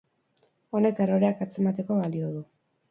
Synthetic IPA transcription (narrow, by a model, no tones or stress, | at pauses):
o̞ne̞keroɾeakat͡se̞mat̪e̞ko̞βalioð̞u